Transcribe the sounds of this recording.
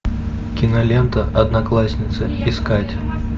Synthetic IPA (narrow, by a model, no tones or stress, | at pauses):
kʲɪnɐlʲent̪əʔɐd̪nɐklˠasʲnʲɪt̪sɨ | ɪskatʲ